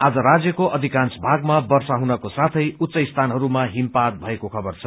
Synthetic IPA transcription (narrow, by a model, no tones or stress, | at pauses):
ad͡zʌɾad͡zjʌkoʔʌd̪ʱikansbʱaɡmabʌrsaɦunʌkosat̪ʰʌjut̪ːsʌjst̪ʰanɦʌɾumaɦimpat̪̚bʱʌekokʰʌbʌrt͡sʰʌ